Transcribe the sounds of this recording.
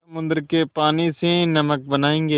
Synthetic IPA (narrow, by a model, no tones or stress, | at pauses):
ɐmʊ̃nd̪əɾkepaːnisenɐmək̚bɐnaːẽːŋɡeː